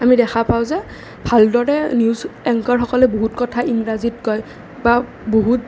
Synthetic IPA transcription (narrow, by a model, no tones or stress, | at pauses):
amidɛxʰapaʊzɛ | bʱaldɔɹɛniuzɛŋkaɹxɔkɔlɛboɦutkɔtʰaiŋɹazitkɔj | ba | boɦut